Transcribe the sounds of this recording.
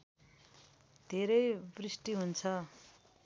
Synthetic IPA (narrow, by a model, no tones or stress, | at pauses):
d̪ʱeɾʌjbrisʈiɦunt͡sʰʌ